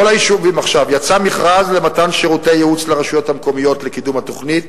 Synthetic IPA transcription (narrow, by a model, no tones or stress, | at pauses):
olajiʃuvimaχʃavjat͡samiχʁazle̞matanʃeʁutejeut͡sleʁaʃujo̞thamko̞mijo̞tlekidumhato̞χnit̪